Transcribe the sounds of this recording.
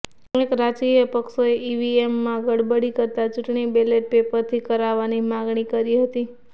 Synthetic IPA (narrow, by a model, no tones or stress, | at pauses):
ekɾat͡ʃkijəpəkʃoeʔiʋiemːãɡəɽbəɽikəɾt̪at͡ʃuʈɳibeleʈ̚pepəɾt̪ʰikəɾaʋanimãɡɳikəɾiɦət̪i